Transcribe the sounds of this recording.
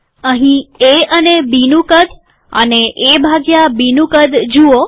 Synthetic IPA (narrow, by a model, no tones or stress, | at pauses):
əɦĩeənebinũkəd̪ | ə̰neʔebʱaɡjabinũkəd̪d͡ʒuo